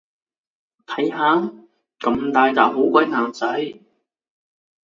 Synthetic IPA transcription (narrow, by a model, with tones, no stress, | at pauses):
t̪ʰɐ˨˥jhaː˨˥ | kɐ˨mt̪aː˨˧jt͡saː˨w̚ɦo˨˥wkʷɐ˨˧˥jnaː˨nt͡sɐ˨˥j